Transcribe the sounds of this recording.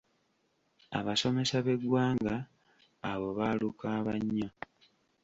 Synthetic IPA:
a̰βaso̞me̞saβe̞ɡwaːŋɡaː | βo̞βalukaːβaɲːa

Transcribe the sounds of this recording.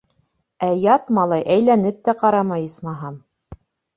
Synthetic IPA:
æjɑt̪mɑlˠɑjʔæjlænɘp̚t̪æqɑɾɑmɑjɤsmɑɦɑm

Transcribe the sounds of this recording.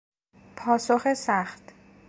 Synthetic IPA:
pʰɒːsoxesæχt̪

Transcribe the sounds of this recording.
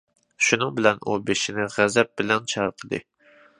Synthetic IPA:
ʃunɨŋbɪlɛnʔubeʃɪnɪʁæzɛp̚bɪlɛnt͡ʃʰɑɾqʰəd̪ɨ̰

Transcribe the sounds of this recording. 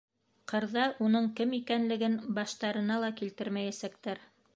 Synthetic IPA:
qɤ̆ɾðɑʔunɤɴkɘmikænlɘ̆ɡɘnbɑʃt̪ɑɾɤ̆nɑlˠɑkilt̪ɘɾmæjæsæk̚t̪æɾ

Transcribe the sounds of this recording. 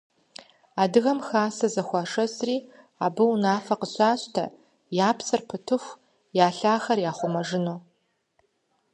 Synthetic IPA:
aːdɨɣɐmxaːsɐzɐxʷɑʂɐsriː | aːbɨwnaːfɐqəɕʼaːɕtʰɐ̰ | jaːpʰsɨrpʰɨtʰɨxʷ | jaːɬaːxɐrjaːχʷʊmɐʐɨnuː

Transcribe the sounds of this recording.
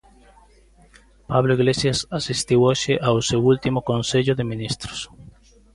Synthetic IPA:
paβloiɣlesjasasist̪iwoʃeʔawsewult̪imokonseʎoðemĩnist̪ɾo̥s

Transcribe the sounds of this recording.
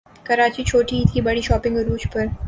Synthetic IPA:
kɐɾaːt͡ʃit͡ʃʰoːʈiɦiːt̪ʰibɐɽiʃɔːpɪ̃ŋɡɾuːt͡ʃpɐɾ

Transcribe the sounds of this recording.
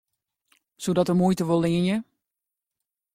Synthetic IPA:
sodɔtəmujtəʋolˠɪənjə

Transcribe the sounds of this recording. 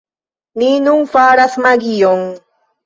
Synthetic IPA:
ninuŋfaːɾasmaɡijoŋ

